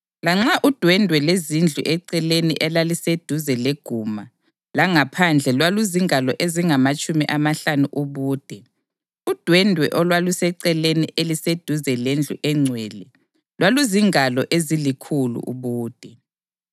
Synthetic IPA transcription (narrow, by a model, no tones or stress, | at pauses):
laŋ͡ǁaʔud̥ʱwɛndʱwɛlezind͡ɮʱṵʔɛǀɛlenḭʔɛlalised̥ʱuzɛleɡ̥ʱuma | laŋapʰand͡ɮʱɛlwaluziŋʱalɔʔeziŋamat͡ʃʼumiʔamaɬanuʔuβuːd̥ʱɛ | ud̥ʱwɛndʱwɛʔɔlwalusɛǀɛlenḭʔelised̥ʱuzɛlend͡ɮʱṵʔɛŋ͡ǀʱwɛːlɛ | lwaluziŋʱalɔʔezilikʰulṵʔṵβuːd̥ʱɛ